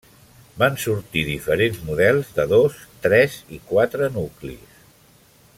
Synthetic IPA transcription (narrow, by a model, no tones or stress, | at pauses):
bansuɾt̪iðifəɾenzmuðɛlˠzðəðost̪ɾɛzikwat̪ɾənuklḭs